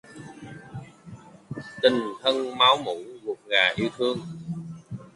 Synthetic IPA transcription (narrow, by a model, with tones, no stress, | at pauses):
t̪ï˨˩ŋt̪ʰə˧ŋmaː˨˦wmṵ˧˥vu˨˩ək̚ŋaː˨˩ʔi˧əwt̪ʰɨ˧əŋ